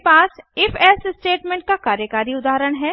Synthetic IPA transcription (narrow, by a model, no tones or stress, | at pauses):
paːsɪfɛːssʈeːʈmẽɳʈ̚kakaːɾjəkaːɾiʊd̪aːɦɾəɽ̃ɦɛː